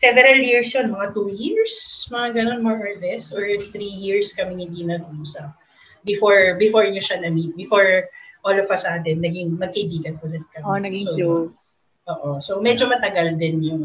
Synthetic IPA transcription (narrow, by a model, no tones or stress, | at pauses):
sɛvɛɾɐljiɹsjonmɐŋat̪ujiɹsmɐŋaɡɐno̞nmɔɹʔoɹlɛsoɹθɾijiɹskɐmɪhɪnd̪inɐɡʔuːsɐp̚ | bɪfoɹbɪfoɹɲʊʃanɐmit̪̚bɪfoɹʔoːlɔvɐsʔaːt̪ɛnːɐɡɪŋmɐɡ̚kɐjbiːɡɐn̚kʊlɛt̪̚kɐmɐso | ʔoːʔosomɛd͡ʒomɐt̪ɐɡɐld̪ɪnjʊŋ